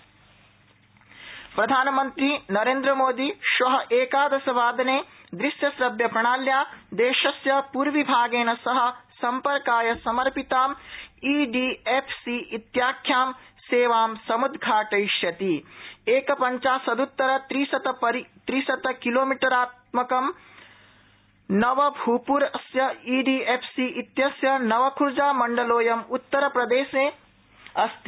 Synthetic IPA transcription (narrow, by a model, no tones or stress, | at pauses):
pɾɐd̪ʱaːnɐmɐnt̪ɾinɐɾeːnd̪ɾɐmoːd̪iʃʋɐɦɐʔeːkaːd̪ɐsɐʋaːd̪ɐneːd̪ɾisjɐsɾɐbjɐpɾɐɳaːljaːd̪eːʃɐsjɐpuːɾʋibʱaːɡeːnɐsɐɦɐ̆sɐmpɐɾkaːjɐsɐmɐɾpit̪aːmiːɖiːepʰsiit̪jaːkʰjaːm | seːʋaːmsɐmud̪ʱɡʱaːʈɐjʃjɐt̪ieːkɐpɐɲt͡ʃaːsɐd̪ut̪ːɐɾɐt̪ɾisɐt̪ɐpɐɾit̪ɾiːsɐt̪ɐkiloːmiʈɐɾaːt̪̚mɐkɐm | nɐʋɐbʱuːpuɾɐsjɐiːɖiːeːpʰsiːʔit̪jɐsjɐnɐʋɐkʰuɾd͡ʒaːmɐɳɖɐloːjɐmut̪ːɐɾɐpɾɐd̪eːʃẽː | ɐst̪